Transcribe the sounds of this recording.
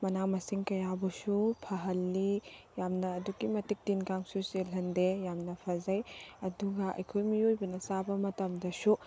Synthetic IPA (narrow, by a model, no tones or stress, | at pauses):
mɐnaŋmɐsiŋkɐjabɐsupʰɐɦɐlːijamnɐːduɡimɐtik̚tinkaŋsuselɐndejamnɐpʰɐzɐjɐduɡɐʔɐ̰jkʰojmiojbɐnɐsabɐmɐtɐmdɐsu